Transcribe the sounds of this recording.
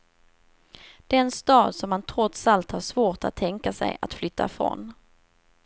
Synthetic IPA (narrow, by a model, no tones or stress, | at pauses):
d̪̥ɛɛnst̪ɑːd̪sɔmːant̪ʰɾɔt̪salt̪haʂvoːʈa̰t̪ʰːɛŋkasɛ̰ja̰t̪flʏt̪ʰːa̰fɾɔ̰n